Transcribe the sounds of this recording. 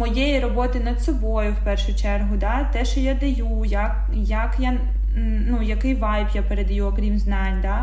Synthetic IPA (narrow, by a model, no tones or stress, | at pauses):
mɔjejirɔbɔt̪ɪnɐd̪sɔbɔjʊwpɛrʃʊt͡ʃɛrɦʊd̪ɑt̪ɛʃɔjad̪ɐjujɐk | jɐkja | nujɐkɪjʋɑjpjapeɾed̪ɐjuɔkɾʲimznɑnʲd̪a